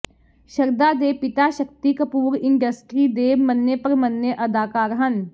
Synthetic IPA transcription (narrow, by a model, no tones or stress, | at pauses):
ʃəɾd̪ad̪eːpɪt̪aʃək̚t̪ikəpuːɾɪ̃ɳɖəsʈɾid̪eːmənːjəpɐɾmənjəʔɐd̪aːkaːɾɦən